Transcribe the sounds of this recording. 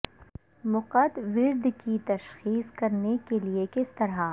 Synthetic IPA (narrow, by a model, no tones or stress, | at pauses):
mʊqəd̪ʋɪɾd̪kit̪ɐʃxiːskɐɾnekeliekɪst̪ɐɾa